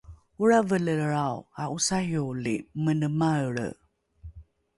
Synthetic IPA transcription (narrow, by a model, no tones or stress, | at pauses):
uɾavələɾawaʔusajolimənəmaəɭə̰